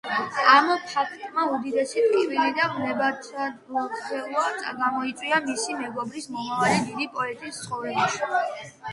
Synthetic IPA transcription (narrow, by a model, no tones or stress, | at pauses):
amɔpʰakʰt̪ʼmaud̪id̪ɛsip̪ʼivilid̪amlɛbat̪ʰaɔɛlˠaɡamɔit̪sʼwiamisimɛɡɔbɾismɔmavalid̪id̪ipʼɔɛt̪ʼist̪sχɔvɛbaʃi